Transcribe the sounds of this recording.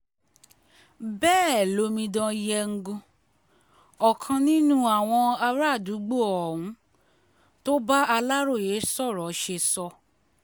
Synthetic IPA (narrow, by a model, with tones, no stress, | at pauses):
bɛː˦˨lo˨˧˦mĩ˧dã˧jɛ˧ŋ̩˦ɡũ˧ | ɔ˨kʰã˧nĩ˦nũ˦a˦˨w̃ɔ̃˧a˧ɾa˦˨du˨˦ɡ͡bo˦˨ɔ˨hũ˨˦ | to˦ba˦a˧la˦ɾo˦˨je˨˦sɔ˦˨ɾɔ˨ʃe˧sɔ˧